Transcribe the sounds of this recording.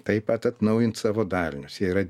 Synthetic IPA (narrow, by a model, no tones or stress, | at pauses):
t̪ɐɪpɐt̪ɐt̪nɐʊjɪnt̪sɑːʋoːd̪ɑːlʲnʲʊsjɛiɾɐ